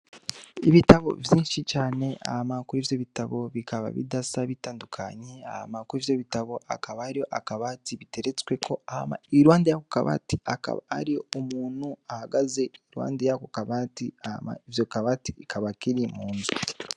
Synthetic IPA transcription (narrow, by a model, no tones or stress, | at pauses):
iβitaβo̞̰vjiːnʃit͡ʃaːne̞a̰hamakuɾivjo̞βitaβo̞βikaβa̰βḭdasaβitaːndukʰa̰ɲea̰ha̰makuɾivjoβitaβo̞ʔakaβahaɾijo̞ʔakaβatiβite̞ɾet͡skwe̞kʰo̞ahama̰iɾwaːndejakoka̰βa̰tiaka̰βa̰ha̰ɾijo̞omuːn̥huahaɡaze̞iɾwa̰ːndejakokaβatiaha̰ma̰ivjokaβatiikʰaβakiɾimuːnzu